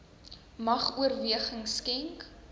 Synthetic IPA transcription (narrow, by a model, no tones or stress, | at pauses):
mɐχuərviəχəŋskɛŋk